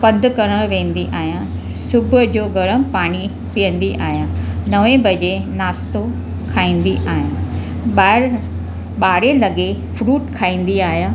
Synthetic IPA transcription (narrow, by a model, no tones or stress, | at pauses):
pɐnd̪ʱkɐɾəɽ̃ʋẽːn̆d̪iʔaːɦijã | sʊbʱʊd͡ʑoːɡɐɾəmpaːɽ̃i | pijə̃nd̪iʔaːɦjãːnɐʋẽbʱɐd͡ʑenaːst̪o | kʰaːĩːn̆d̪iʔaːɦijãː | ɓa | ɓaːɽelɐɡefʰɾuːʈkʰaːĩːn̆d̪iaːɦjaː